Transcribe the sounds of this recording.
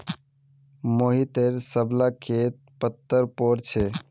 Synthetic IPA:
moɦit̪eɾsəblakʰet̪̚pət̪ːəɾpoɾt͡ʃʰɛ

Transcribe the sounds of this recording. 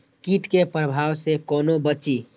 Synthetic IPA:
kiʈkepɾəbʱaːwsekɔːnobət͡ʃi

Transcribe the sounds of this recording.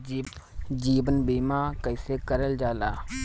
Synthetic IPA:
d͡ʒiːbənbiːmãːkəɪseːkəɾəld͡ʒaːlaː

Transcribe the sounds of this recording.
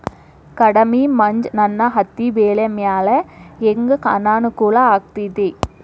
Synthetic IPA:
kɐɽɐmimɐɲd͡ʒnɐnːɐɦɐt̪ːiʋeːlemjaːlɐeŋɡɐkanaːnukuːlɐaːk̚t̪id̪eː

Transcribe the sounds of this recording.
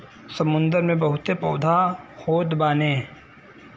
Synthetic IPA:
sɐmʊ̃nd̪əɾmẽbɐɦʊt̪epɐːd̪ʱahoːt̪baːneː

